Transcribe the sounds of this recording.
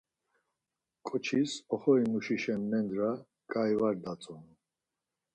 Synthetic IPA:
kʼɔt͡ʃʰisɔχɔimuʃiʃɛnːɛnd̪ɾa | kʼajvaɾd̪at͡sʼɔnu

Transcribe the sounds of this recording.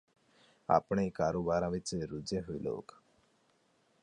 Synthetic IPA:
a̰pɳekaɾobaɾãʋit͡seɾud͡zẽɦujlo̰k

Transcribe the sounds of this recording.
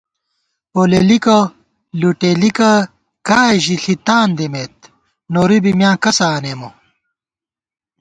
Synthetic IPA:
oːlelikɐ | luʈelikɐ | kaːʑiɬit̪aːnd̪emeːt̪̚ | noːɾibimjãːkɐsaːneːmo

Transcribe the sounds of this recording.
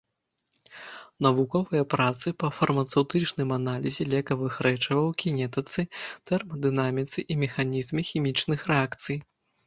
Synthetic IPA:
nɐvukɔvɨjɐpɾat̪sɨpɐfɐrmɐt̪sɛwt̪ɨt͡ʂnɨmanalʲizʲɛlʲɛkɐvɨxɾɛt͡ʂɐvɐwkʲinʲɛt̪ɨt̪sɨt̪ɛrmɐd̪ɨnamʲit̪sɨʔimʲɛxanʲizmʲixʲimʲit͡ʂnɨxrɛakt̪sɨj

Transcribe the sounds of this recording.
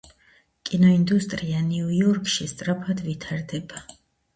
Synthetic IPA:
kʼinɔind̪ust̪ʼɾianiujɔɾkʰʼʃist̪sʼɾapʰad̪vit̪ʰaɾd̪ɛba

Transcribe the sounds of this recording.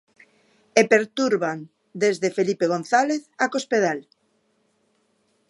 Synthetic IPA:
epeɾt̪uɾβan | d̪ezðefelipeɣ̞on̟θaleθakospeð̞al

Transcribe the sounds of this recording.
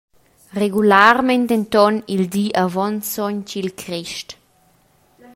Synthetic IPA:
reɡulaɾmɛnt̪ent̪ɔnild̪iʔavɔnsɔɲcilkʰɾiʃt

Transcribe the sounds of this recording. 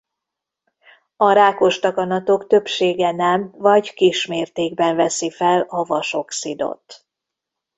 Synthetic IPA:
ɒɾaːko̞ʃt̪ɒkɒnɒt̪o̞kt̪ø̞pʃeːɡɛnɛmvɒɟkiʃmeːrt̪eːɡbɛɱvɛsifɛlɒvɒʃo̞ksid̪o̰t̪

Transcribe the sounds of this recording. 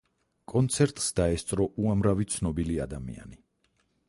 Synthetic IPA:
kʼɔnt̪sʰɛɾt̪ʼsd̪aɛst̪sʼɾɔʔuamɾavit̪sʰnɔbiliad̪amḭa̰ni

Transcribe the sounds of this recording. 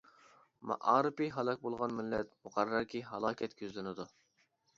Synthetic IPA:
mɑ̰ʔɑːɾɨpiɦɑlˠɑk̚ʲbolˠʁɑnmɪlːɛt̪mʊqɑrːɑɾkʲʰiɦɑlˠɑːkʲʰɛt̪kʲøzlɪnɪd̪u

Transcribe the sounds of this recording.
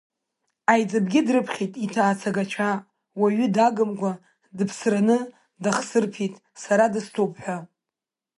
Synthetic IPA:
ajd͡zʼɨbɡʲɪdrɨpʰχʲitʼitʰaːt͡sʰaɡat͡ʃʷʰa | waɥʏdaɡɨmɡʷa | dɨpʰsranɨ | daχsɨrpʰitʼ | saɾadɨstʰopʰʼħʷa

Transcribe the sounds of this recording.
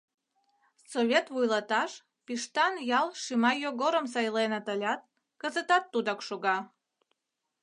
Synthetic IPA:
soβʲet̪βujlɑt̪ɑʃ | piʃt̪ɑnjɑlˠʃimɑjoɣoɾəms̬ɑjlenət̪əlʲɑt̪̚ | kəzət̪ɑt̪ːud̪ɑkʃoɣɑ

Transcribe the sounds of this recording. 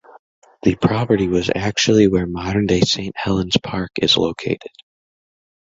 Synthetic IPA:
ðɨpʰɹ̥ɑpə˞ɾiwʌzæk̚t͡ʃul̩ˠiwə˞mɑɾə̃˞ndeɪsẽɪ̃nʔhɛlˠə̃nz̥pʰɑɹkɨzlo̰ʊkʰeɪɾɨd̥

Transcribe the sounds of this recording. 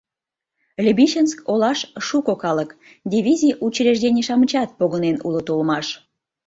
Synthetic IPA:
lʲəbiʃənskolɑʃʃukokɑlək | d̪ʲiβʲizʲiʔut͡ɕleʒd̪enʲeʃɑmət͡ɕɑt̪̚poɣənenṵlot̪olmɑʃ

